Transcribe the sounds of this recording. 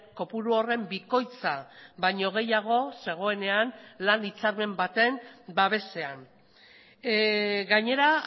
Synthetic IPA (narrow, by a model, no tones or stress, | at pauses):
ko̞puɾuo̞re̞mbiko̞jt͡sabaɲo̞ɣ̞e̞jaɣ̞o̞se̞ɣ̞o̞e̞ne̞anlanit͡saɾme̞mbat̪e̞mbaβ̞e̞se̞an | ɣaɲe̞ɾa